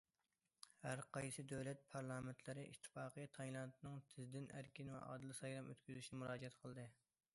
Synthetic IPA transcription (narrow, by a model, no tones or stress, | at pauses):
hæɾqʰɑjsɨd̪øwlɛt̪̚pʰɑɾlˠɑːment̪ʰlɪɾɪʔḭt̪ʰːɪ̥fɑːqəjt̪ʰɑjlˠɑnt̪ʰɨnɨŋt̪ʰɪzd̪ɪnæ̰ɾkʲinvɛ̰ʔɑ̰ːd̪ɨlˠɨsɑjɾɑmøt̪kʲyzyʃinɪmuɾɑːd͡ʒɛt̪qʰəlˠd̪ɨ